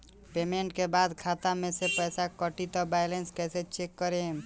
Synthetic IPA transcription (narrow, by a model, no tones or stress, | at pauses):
pemeɳʈkebad̪kʰat̪amesepəjsakəʈit̪ɔbajlenskɛjset͡ʃekːəɾe